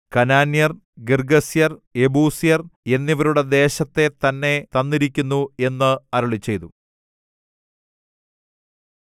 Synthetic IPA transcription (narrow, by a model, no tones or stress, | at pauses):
kɐnaːnjɐr | ɡirɡɐsijɐre̞buːsijɐre̞nːiʋɐɾuɽe̞d̪e̞ːɕɐt̪ːe̞t̪ɐnːe̞t̪ɐnːiɾikʲːunːue̞nːɨɐɾɐɭit͡ɕːe̞jt̪u